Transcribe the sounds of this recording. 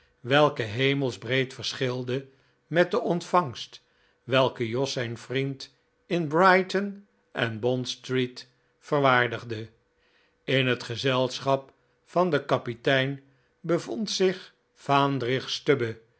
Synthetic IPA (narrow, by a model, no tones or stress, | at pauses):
ʋɛlˠkəɦejməlˠzbrejtfəɹsχɪlˠdə | mɛt̚dəʔɔntfɑŋst | ʋɛlˠkəjɔsɛjnfrint | ɪnbrɑjtən | ʔɛnbɔnstrit | fəɹʋaːɹdəχdə | ɪnɦətχəzɛlˠsχɑp | fɑndəkɑpitɛjn | bəvɔntsɪχ | faːndrɪχstøbə